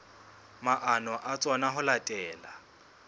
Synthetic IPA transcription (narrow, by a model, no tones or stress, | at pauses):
maʔanɔʔat͡sʼɔnaɦʊlatʼɛːla